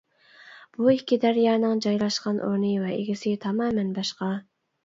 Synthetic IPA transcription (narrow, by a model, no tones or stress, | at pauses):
b̥uikʲʰːid̪æɾjɑːnɨŋd͡ʒɑjlˠɑʃqɑnʔo̰ɾnɨvɛʔeɡʲɪsɪt̪ʰɑmɑːmɛnbɑʃqɑ